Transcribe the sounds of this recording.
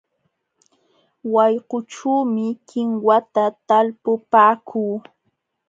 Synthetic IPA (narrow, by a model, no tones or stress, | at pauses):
wɑjqʊʈ͡ʂuːmɪkɪŋwat̪at̪alpʊpaːkʰuː